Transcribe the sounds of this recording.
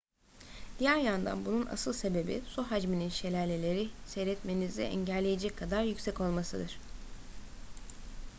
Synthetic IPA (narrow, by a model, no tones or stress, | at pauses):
d̪̥ijæɾjand̪a̰nbununa̰sɯlˠse̞be̞bḭsuɦad͡ʒmininʃe̞lʲæɾlʲe̞lʲe̞ɾiseɾɛt̪me̞nizd̪ɛ̰ʔɛɲɟælʲːejed͡ʒɛcʰːad̪aɾjycʲsɛco̞lˠmasɯd̪ɯɾ̥